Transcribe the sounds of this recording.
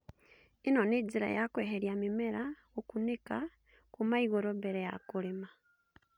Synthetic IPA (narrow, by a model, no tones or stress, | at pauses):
inoneɟiɾa̰jakweːheɾjamimeɾa | okuneka | kumaiɣoɾobeɾeja̰kulima